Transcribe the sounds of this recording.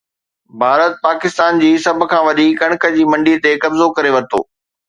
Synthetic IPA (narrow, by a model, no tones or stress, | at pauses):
bʱaːɾət̪̚paːkɪst̪aːnd͡ʑiːsɐbʱʊ̆kʰãːʋɐɗiːkɐɽ̃kʰə̆d͡ʑiːmɐ̃ɳɖit̪ekɐbzokɐɾeʋɐt̪o̰ː